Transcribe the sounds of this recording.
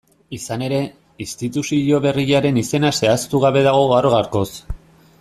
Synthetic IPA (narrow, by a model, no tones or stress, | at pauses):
isane̞ɾe̞ | ist̪it̪usiʎo̞βe̞riʝaɾe̞nise̞nase̞ast̪uɣaβe̞ðaɣ̞o̞ɣaɾoɣaɾko̞s